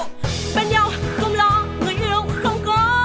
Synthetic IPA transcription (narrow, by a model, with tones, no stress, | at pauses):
ɓa˧˩nɲa˧˩wxə˧wŋ͡mlɔ˨˦ŋɨ˨˩jʔɨ˧˩ə˨˩wŋ͡mxə˧wŋ͡mkɔ˨˦